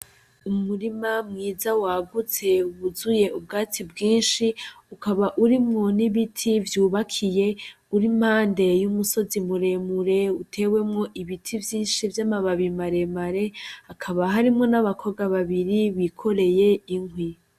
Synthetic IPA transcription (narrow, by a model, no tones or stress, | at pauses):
umuɾimamŋiːzawaːɡut͡se̞uβuzuje̞ubɡaːt͡sibɡiːnʃi | ukaβaʔuɾimŋo̞niβitʰivjuːβakʰije̞ | uɾim̥haːnde̞jumuso̞zimuɾe̞muɾe̞utʰe̞ːwe̞mŋo̞ʔiβitʰivjiːnʃivjamaβaβimaɾe̞maɾe̞akʰaβaɦaɾimŋo̞naβakʰo̞ɡaβaβiɾiβikʰo̞ɾe̞jeiŋwi